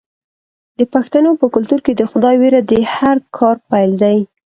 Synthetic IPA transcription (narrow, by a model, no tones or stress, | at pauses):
d̪əpaxt̪anopəkʊlt̪uɾked̪əxʊd̪ɑjweɾad̪əhaɾkʰɑɾpajld̪aj